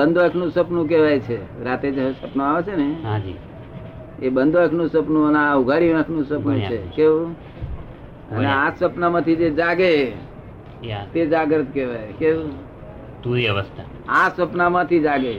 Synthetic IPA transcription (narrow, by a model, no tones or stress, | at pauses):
ənd̪ʱoakʰnũsəpnũk̬eʋajt͡ʃʰeɾat̪ed͡ʒəsəpnoaʋet͡ʃʰenead͡ʒi | ebənd̪ʱoekʰnũsəpnũəneauɡʱaɽiʋãkʰnũsəpnũt͡ʃʰekeũ | ə̰neasəpnamãt̪ʰid͡ʒed͡ʒaɡe | t̪ed͡ʒaɡɾət̪keʋajkeu | t̪uɾiəʋəst̪ʰa | asəpnamãt̪ʰid͡ʒaɡe